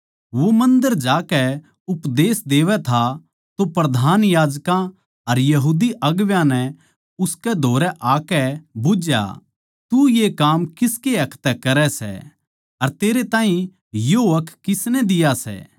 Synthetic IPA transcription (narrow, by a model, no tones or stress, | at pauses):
ʋomɐ̃nd̪əɾd͡ʒaːkɛ | ʊpd̪eːsd̪eːʋɛt̪ʰa | t̪opɾɐd̪ʱaːnjaːd͡ʒkã | ɐɾjɐɦuːd̪iʔɐɡʋjãnɛ | ʊskɛd̪ʱoːɾɛʔaːkɛbʊd͡ʒja̰ | t̪ujekaːmkɪskeɐkʰt̪ɛkɐɾɛsɛ̰ | ɐɾt̪eːɾet̪ãːɦĩ | joɐkʰkːɪsnɛd̪ɪjasɛ̰ː